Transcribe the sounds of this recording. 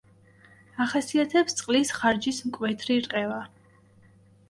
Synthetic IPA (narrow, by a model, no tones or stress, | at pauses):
aχasiat̪ʰɛpst̪sʼqʼlisχaɾd͡ʒismkʼwɛt̪ʰɾiɾqʼɛva